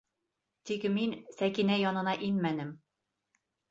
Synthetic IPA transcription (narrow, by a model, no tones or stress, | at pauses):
t̪ikminsækinæjɒnɤ̆nɑʔinmænɘm